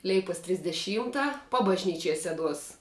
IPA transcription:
ˈlʲɛɪpoːs tʲrʲɪzʲdʲɛˈʃʲiːmtɐ pɐbɐʒʲˈnʲiːt͡ʃʲiɛj ˈsʲæːˌduɔs

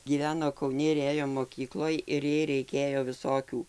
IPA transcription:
ɡʲiːˈʋʲæːnoː kɐʊˈnʲɪ ɪr ˈeːjoː moːˈkʲiːklˠoːj ɪr ˈjɛɪ rʲɛɪˈkʲeːjoː ʋʲɪˈsoːkʲuː

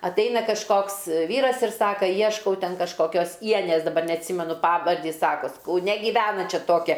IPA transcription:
ɐtˈɐɪnɐ kɐʃˈkoːks ˈʋʲiːrɐs ɪr ˈsɑːkɐ ˈjiɛʃkɐʊ ˈtʲɛn kɐʃkoːˈkʲoːs ˈiɛnʲeːs dɐˈbɐr nʲɛɐtʲˈsʲiːmʲɛnʊ ˈpɑːʋɐrʲdʲiː ˈjɪs ˈsɑːkoːs kɐʊˈnʲɛ ɡʲiːˈʋʲæːnɐ ˈt͡ʃʲɛ ˈtoːkʲɛ

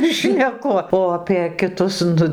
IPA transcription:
ʃʲnʲɛˈkʊ oː ɐpʲeː kʲɪˈtʊs ˈnʊ

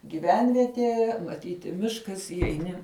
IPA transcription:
ɡʲiːˈʋʲɛnʲʋʲiɛtʲiɛ mɐˈtʲiːtʲɪ ˈmʲɪʃkɐs iːjɛɪˈnʲɪ

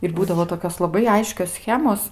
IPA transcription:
ɪr ˈbuːdɐʋoː toːˈkʲoːs lˠɐˈbɐɪ ˈɐɪʃʲkʲoːs ˈsʲxʲæːmoːs

